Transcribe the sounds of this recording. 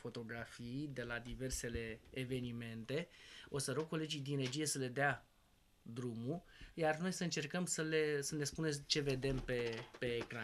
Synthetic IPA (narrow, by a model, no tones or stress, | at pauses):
fo̞t̪o̞ɡɾafijd̪e̞lad̪ive̞rse̞le̞ːve̞nime̞nt̪e̞o̞səɾo̞ɡ̚ko̞le̞d͡ʒijd̪inɾe̞d͡ʒije̞səle̞d̪ea | d̪ɾumujarno̞jsəɨnt͡ʃe̞rkəmsəle̞səne̞spunet͡ʃe̞ve̞d̪e̞mpe̞pe̞ːkɾa